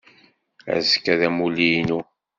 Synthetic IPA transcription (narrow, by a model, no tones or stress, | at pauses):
æ̰zkːæðæmulijnu